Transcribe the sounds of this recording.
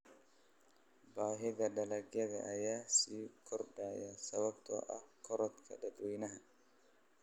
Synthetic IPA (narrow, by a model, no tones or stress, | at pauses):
baːɦɪðɐɖɐlɐɡjɐðɐ̰ʔːjaːsiːkʰɔrdaːjasɐβɐbt̪ʰɔ̰ːʔɐhkʰɔɾɔt̪kʰɐ̰dɐd̪winɐɦɐ